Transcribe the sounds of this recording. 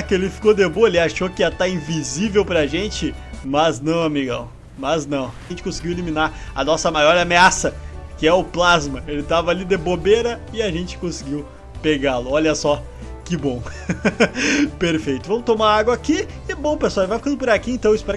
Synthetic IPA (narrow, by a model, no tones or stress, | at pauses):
kɪelɪfi̥kod̪eboelɪaʃokɪat̪aĩvizivewpɾɐʒẽt͡ʃɪ | mɐznɐ̃w̃amiɡɐ̰̃ | mɐznɐ̃w̃aʒẽt͡ʃɪ̥kõsɪɡiwelimĩnaɾɐ̰nɔsɐmajɔɾɛameasɐkɪɛʊplazmɐelɪt̪avɐalid̪ebobeɾɐɪaʒẽt͡ʃɪ̥kõsɪɡiw | peɡalʊɔʎɐsɔ | kɪbõw̃ | peɾfejt̪ʊvɐ̃mʊt̪omaɾaaɡwakikɪbõw̃peswaelɪvajfikɐ̃d̪ʊp̬ʊɾakiẽnt̪ɐ̃w̃ɪspɛɾɐ